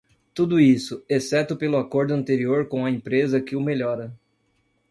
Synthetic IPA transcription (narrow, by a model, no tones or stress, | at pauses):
t̪ud̪ʊisʊesɛt̪ʊpelʊakoɾd̪ʊɐ̃nt̪eɾioɾkõw̃ɐẽmpɾezɐkɪʊmeʎɔɾɐ